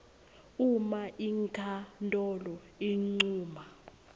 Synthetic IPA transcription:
umaʔiŋkʰʼantʼɔlɔ | iŋ͡ǀuːma

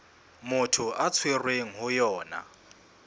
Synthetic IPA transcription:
mʊtʰʊʔat͡sʰwerweŋ̩ɦʊjɔːna̰

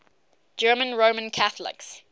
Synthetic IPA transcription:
d͡ʒɜːmə̃nɹoʊmə̃nkʰaθəlɪ̰ks

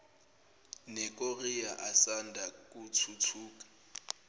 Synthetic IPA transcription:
nɛkʼoriaʔasandʱakʼut͡sʰut͡sʰuːkʼḁ

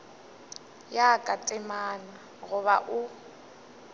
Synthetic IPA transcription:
jakʼatʼɪmana | ɣʊβaʔʊ

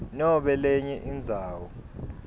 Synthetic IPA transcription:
nɔɓɛlɛɲɛʔind͡zʱaːwɔ

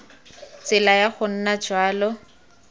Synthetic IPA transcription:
t͡sɪlajaχʊn̩nad͡ʒwaːlɔ

